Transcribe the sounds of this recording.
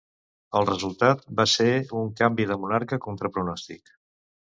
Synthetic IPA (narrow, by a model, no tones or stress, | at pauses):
əlˠrəzulˠt̪at̪̚baseuŋkambiðəmunaɾkəkɔnt̪ɾəpɾunɔst̪ḭk